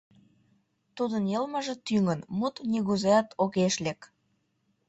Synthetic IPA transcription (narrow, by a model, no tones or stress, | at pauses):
t̪ud̪ənjəlmə̆ʒĕt̪yŋənmut̪nʲiɣuzeɑt̪oɣeʃlʲek